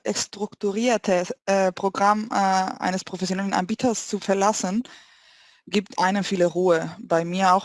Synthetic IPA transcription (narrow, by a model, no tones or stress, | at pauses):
ɛstʁ̥ʊktuʁiːɐtʰəpʁ̥oɡʁamːʔa̰ɪnəspʁ̥ofɛsjonɛlənʔa̰nbiːtʰɐst͡sufɛɐlasən | ɡiːp̚tʔaɪnənfiːləʁuːəbaɪmiːɐaʊx